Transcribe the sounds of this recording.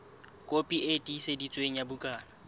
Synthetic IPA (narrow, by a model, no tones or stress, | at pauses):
kʼopʼiʔetʼisedit͡sʼweŋ̩jabukʼaːna